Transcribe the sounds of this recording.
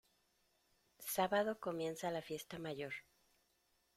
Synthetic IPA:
saβaðo̞ko̞mje̞nsalafje̞st̪amaʝo̞ɾ

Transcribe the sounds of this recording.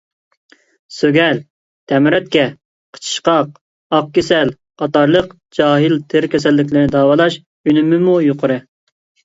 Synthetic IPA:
søɡʲɛl | t̪ʰɛmɪɾɛt̪̚kʲɛ | qʰə̥t͡ʃʰə̥ʃqɑq̚ | ɑq̚kʲesɛl | qɑt̪ɑɾlˠəq | d͡ʒɑːɦɨlt̪ʰɪɾkʲʰɛsɛlːɪkʲlɪɾnɪd̪ɑːwɑlˠɑʃ | ynymːɪmujoqʊɾɨ

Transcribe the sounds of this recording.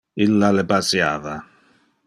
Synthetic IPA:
ilːalɛpasjaːva

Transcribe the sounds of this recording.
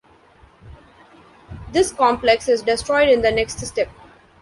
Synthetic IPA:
d̪ɪskɔ̃mpleksɪzɖɪsʈɾɔɪɖɪ̃nd̪ənɛksʈsʈɛmp

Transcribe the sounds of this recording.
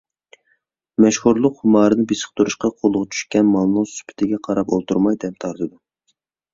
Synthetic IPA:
mɛʃhuɾlˠʊqhumɑːɾɨnɨbesə̥χ̚t̪ʰuɾuʃqɑqʰolˠʊʁɑt͡ʃʰy̥ʃkʲɛnmɑlˠnɨŋsy̥pʰɪ̥t̪ʰɪɡʲɛqʰɑɾɑpolˠt̪ʰuɾmɑjd̪ɛp̚t̪ʰɑɾt̪ʰɨd̪u

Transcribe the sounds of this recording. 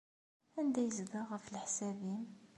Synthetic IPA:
ænd̪æjzd̪aʁəfəlħsæbim

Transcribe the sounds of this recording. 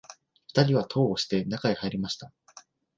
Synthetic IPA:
ɸɯ̥t̪aɾʲiβ̞at̪ʰo̞ːoɕi̥t̪e̞nakaihaiɾʲimaɕi̥t̪a

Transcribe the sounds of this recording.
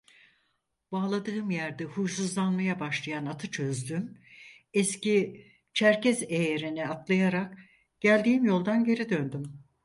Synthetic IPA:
b̥aːlˠad̪ɯːɯmjæɾd̪ɛhud͡ʒsuzlˠanmajabaʃlˠajanat̪ʰɯt͡ʃʰø̞zd̪ym | ɛsci | t͡ʃʰæɾcɛzejeɾinɛat̪lˠajaɾak | ɟ̥ælʲd̪iːimjo̞lˠd̪anɟe̞ɾid̪ønd̪ym

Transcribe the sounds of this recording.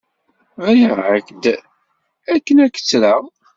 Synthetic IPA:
æjəʕəkd̪ | ækːənækə̥t͡sːɾaʁ

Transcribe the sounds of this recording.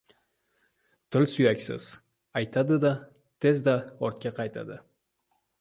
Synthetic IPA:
t̪ʰɪlsʊjakʲsɪ̰z̥ | ɑjt̪ʰad̪ɨd̪ɑ | t̪ʰe̞zd̪ɑoɾt̪̚kʲaqʰɑjt̪ʰa̰d̪ɨ

